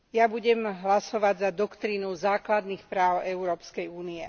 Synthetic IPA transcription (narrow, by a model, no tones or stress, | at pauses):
jabuɟɛmɦlasɔʋaɟzad̪ɔkt̪ɾinuzaːklad̪nixpɾaːʊɛuɾɔːpskɛjuːniɛ